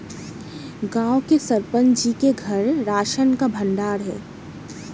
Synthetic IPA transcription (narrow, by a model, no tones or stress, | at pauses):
ɡãːwkesɐɾpə̃nd͡ʒikeɡʱɐɾːaːʃənkabʱə̃ɳɖaːɾɦɛ̰ː